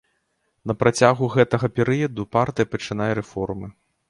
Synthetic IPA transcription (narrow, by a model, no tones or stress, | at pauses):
nɐpɾat͡sʲaɣuɣɛt̪ɐɣɐpʲɛɾɨjɐd̪upart̪ɨjɐpɐt͡ʂɨn̪ajɛɾɛfɔrmɨ